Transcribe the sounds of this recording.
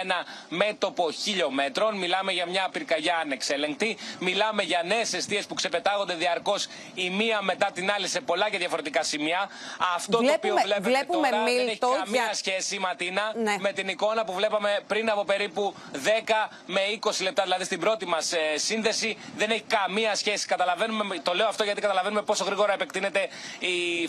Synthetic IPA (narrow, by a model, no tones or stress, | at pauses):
enɐme̞t̪o̞po̞çiʎo̞me̞t̪ɾo̞nmilɐmeʝɐmɲɐpiɾkɐʝɐːnekse̞le̞ŋk̚t̪imilɐme̞ʝɐne̞ːse̞st̪ie̞spukse̞pe̞t̪ɐɣo̞nd̪e̞ðiɐɾko̞s | imiɐme̞t̪ɐt̪inɐlise̞po̞lɐceðʝɐfo̞ɾe̞t̪ikɐsimiɐɐft̪ot̪oːpiovlepeet̪oɾɐneçɐmiɐsçe̞simɐt̪inɐnme̞t̪iniko̞nɐpuvle̞pɐme̞pɾinɐpo̞pe̞ɾipu | ðe̞kɐ | me̞iko̞silept̪ɐðilɐðist̪ibɾo̞t̪imɐssːinðe̞siðe̞neçi̥kɐmiɐsçe̞si̥kɐt̪ɐlɐve̞numet̪o̞le̞oɐft̪o̞ʝɐt̪ikɐt̪ɐlɐve̞nume̞po̞so̞ɣɾiɣo̞ɾɐepe̞k̚t̪ine̞t̪e̞i